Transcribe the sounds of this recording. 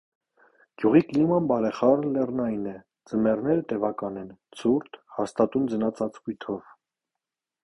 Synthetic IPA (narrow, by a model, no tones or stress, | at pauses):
ɡ̥juʁiklimɑnbɑɾɛχɑɾlɛrnɑjnɛ | d͡zəmɛrnɛɾət̪ɛvɑkɑnɛnt͡sʰuɾt̪hɑst̪ɑt̪und͡zənɑt͡sʰɑt͡skujt̪ʰɔv